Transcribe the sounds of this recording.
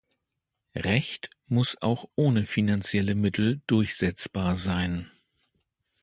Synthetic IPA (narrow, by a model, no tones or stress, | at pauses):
ʁɛçt | mʊsʔa̰ʊxʔoːnəfinant͡sjɛləmɪtʰl̩d̥ʊɐçz̥ɛt͡sb̥aːɐzaɪn